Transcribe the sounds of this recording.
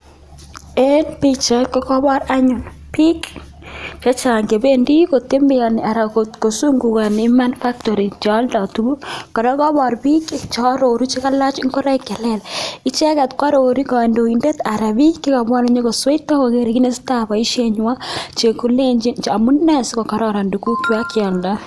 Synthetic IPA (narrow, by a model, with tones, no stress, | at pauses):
e˦npi˦t͡ʃa˨kɔ˦kɔ˦bɔ˦ɾa˦ɲʊ˨l | pi˦k | t͡ʃa˦t͡ʃa˨ŋke˨be˦ndi˦ko˨te˦mbɪ˦ja˨nɪ˨a˨ɾa˨ko˨tko˨su˦ŋɡu˨ka˨ni˦ma˦nfa˦k̚tɔ˨ɾi˨t͡ʃa˦lda˨tu˨bu˦ka˨ɾɔ˦kɔ˦bɔ˨ɾbi˦ki˨t͡ʃɔ˦ɾoɾu˦t͡ʃi˦ka˦la˦t͡ʃɪ˦ŋkɔ˦ɾa˦ikɛ˨lɛ˦˨lɪ˦t͡ʃɛ˦ka˨tkwa˦ɾo˨ɾi˦kɔ˨ndo˨i˨nde˦t̪a˨ɾa˨bi˦kːi˦ka˨bwa˦ne˨ɲe˦ko˨swe˦tːa˦ko˨ke˨ɾi˨ki˦ne˦si̥˦ta˨ba˨i˦ʃe˦ɲ˦wa˦t͡ʃe˨ku˦le˦ɲd͡ʒi˦nt͡ʃa˨mu˦nːa˦˨si˦kɔ˨ka˦ɾɔ˦ɾa˨ndu˨ku˦ki˦a˦kɪa˨lda˦